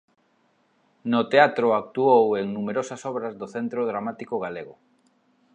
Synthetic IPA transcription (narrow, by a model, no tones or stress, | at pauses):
nʊt̪eat̪ɾʊak̚t̪uoweŋnumeɾosɐsɔβɾɐzðoθent̪ɾʊðɾamat̪ikʊɣaleɣʊ